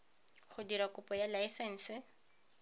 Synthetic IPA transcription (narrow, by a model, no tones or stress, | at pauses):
χʊdiɾakʊpɔjalaisɛn̩ːsɪ